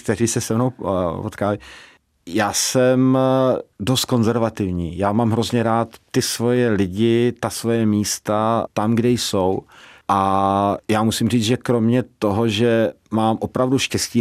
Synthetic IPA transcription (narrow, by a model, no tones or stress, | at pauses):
k̚t̪ɛɾ̝iːsɛsɛmno̞wpot̪kaːlɪ | jaːsɛm | do̞st̪̚ko̞nzɛɾvat̪ɪvɲiːjaːmaːmɦɾo̞zɲɛɾaːt̪ːɪsvo̞jɛlɪɟɪt̪asvo̞jɛmiːst̪at̪amɡdɛjso̞wʔajaːmusimriːt͡sʒɛkɾo̞mɲɛt̪o̞ɦoʒɛ | maːmʔo̞pɾavduʃcɛsciː